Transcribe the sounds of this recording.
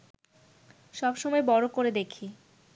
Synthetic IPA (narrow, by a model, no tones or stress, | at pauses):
ʃɔbʃɔmɔebɔɾokoɾed̪ekʰi